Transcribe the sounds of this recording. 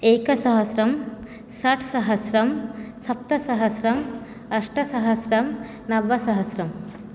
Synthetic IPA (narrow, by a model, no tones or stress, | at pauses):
eːkɐsɐɦɐsɾɐm | sɐʈʰsɐɦɐsɾɐmsɐp̚t̪ɐsɐɦɐsɾɐm | ɐʂʈɐsɐɦɐsɾɐm | nɐʋɐsɐɦɐsɾɐm